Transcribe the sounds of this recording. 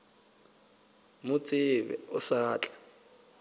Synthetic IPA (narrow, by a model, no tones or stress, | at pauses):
mʊt͡sʼɪβɛ̰ʊsaːt͡ɬʼḁ